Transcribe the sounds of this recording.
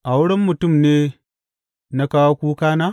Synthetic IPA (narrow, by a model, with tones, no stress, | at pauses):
ʔa˨wʊ˦ɽɛ˦mːʊ˨tʊ˦˨mneː˦ | na˦kaː˦wa˦kʷuː˦kaː˦naː˦